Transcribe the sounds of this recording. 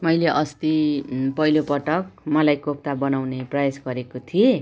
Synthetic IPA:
mʌjleʔʌst̪ipʌjlopʌʈʌk̚mʌlajkop̚t̪abʌnawneprʌjasɡʌɾekot̪ʰie

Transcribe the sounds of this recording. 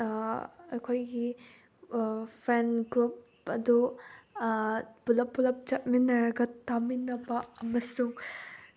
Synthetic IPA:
ɐjkʰojɡi | pʰɾenɡɾup̚ | ɐdu | bulɐp̚bulɐp̚t͡ʃɐt̚minɐɾɐɡɐtaminɐbɐɐmɐsuŋ

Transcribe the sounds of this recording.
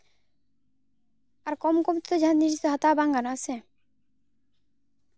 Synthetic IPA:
aɾkɔmkɔmt̪ɔt̪od͡ʑʱanniɾd͡ʑit̪oɦat̪abaŋɡanase

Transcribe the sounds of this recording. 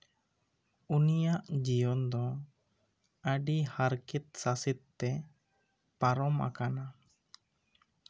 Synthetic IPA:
unijaʔd͡ʒijɔnd̪ɔ | əɖihaɾkit̪̚sasit̪̚ːɛ | paɾɔma̰kana

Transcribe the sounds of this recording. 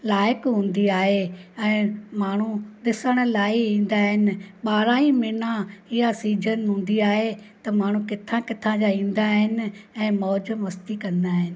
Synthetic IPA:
laːɪkɦũːn̆d̪iaːɦeɛ̃ːmaːɳ̤uɗ̪ɪsəɽ̃laːiĩːn̆d̪aɦɪnɪ̆ɓaːɾãːĩmɪnãɪɦasiːd͡ʒənɦũːnd̪iaːɦet̪ɐmaːɳ̤ũkɪt̪ʰãkɪt̪ʰãd͡ʑaĩːnd̪aɦɪnɪ̆ɛ̃ːmɔːd͡ʒəmʋɐst̪ikɐ̃nd̪aːɦɪnɪ̆

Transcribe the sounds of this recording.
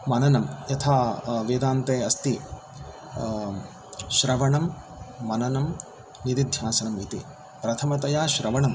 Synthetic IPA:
mɐnɐnɐmjɐt̪ʰaːʋeːd̪aːnt̪eːɐst̪i | ʃɾɐʋɐɳɐmː | ɐnɐnɐm | nid̪id̪ʱjaːsɐnɐmit̪ḭ | pɾɐt̪ʰɐmɐt̪ɐjaːʃɾɐʋɐɳɐm

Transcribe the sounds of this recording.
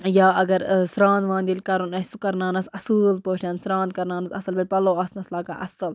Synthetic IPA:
jaːɐɡɐɾsɾãːnd̪ʋãːnd̪ilkɐɾunɐsukɐɾnaːnɐsɐsɨːlpoːʈʰɐnsɾãːnd̪̚kɐɾnaːnɐsɐsɐlbɐɾʲpɐloːɐsnɐslaːka̰ʔɐsɐl

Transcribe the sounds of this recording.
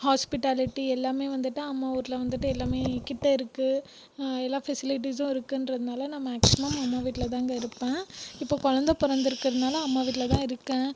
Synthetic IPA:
haːspɪʈaːlɪʈːiɛlːaːmeːʋɐnd̪ɯʈːɯɐmːaːuːɾɪlɐʋɐnd̪ɯʈːɯɛlːaːmeːkːɪʈːɐɪɾɯkːɯ | ɛlːaːfɛsɪlɪʈ̬iːsʊ̃ɪɾɯkːɯɪndɾɐðɯnaːlɐnɐmːɐːksɪmɐmɐmːaːʋiːʈːɪlɐt̪̬aːŋɡɐɪɾɯpːẽːɪpːoːkɔɻɐnd̪ɐpʊɾɐnd̪ɪɾɯkːɪɾɐðɯnaːlɐːmːaːʋiːʈːɪlɐt̪ãːɪɾɯkːẽː

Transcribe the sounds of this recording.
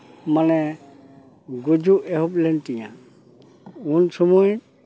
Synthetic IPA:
manɛ | ɡud͡ʒuʔɛɦup̚lɛntiɲa̰ | unsumuj

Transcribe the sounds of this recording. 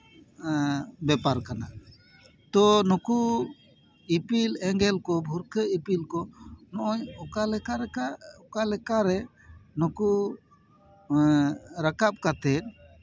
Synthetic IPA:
bɛpaɾkana | t̪ɔnɔku | ipilɛŋɡɛlkɔbʱuɾkəipilkɔnɔʔɔɲɔkalɛkaɾɛkaɔkalɛkaɾɛ | nɔku | ɾakap̚kat̪ɛt̪̚

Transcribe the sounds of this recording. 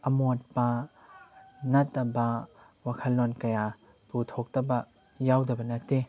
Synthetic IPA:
ɐmot̚pɐ | nɐtːɐbɐ | wakʰɐlːonkɐja | tutʰɔk̚tɐbɐ | jawdɐbɐnɐtːe

